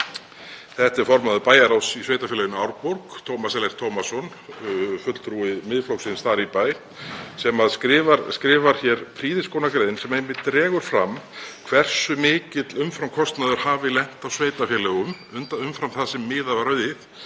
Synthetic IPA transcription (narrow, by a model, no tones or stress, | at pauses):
θɛht̪ɛɾ̥fɔɾmaðʏpaːjaɾawsisveːjt̪afɛlɛɣʏnʏawɾpoɾkt̪ʰowmasɛlɛɾ̥t̪ʰowmasɔn | fʏt̪l̥t̪ʰɾuɪðmɪðflowsɪnst̪aːɾipaj | sɛmaðsɾɪvaskɾɪːvaɾ̥çɛɾpʰɾiːðɪskoːwnakɾeːjðɪnsɛmejmɪt̪ːɾɛːɣʏɾ̥fɾamkʰv̥ɛr̥sʏmɪːcɪt̪lʏmfɾamkʰɔst̪naðʏɾ̥haːvɪlɛn̥t̪awsveːjt̪afjɛlɛɣʏm | ʏnt̪aʏmfɾamθasɛmːɪːðavaɾœɥðɪθ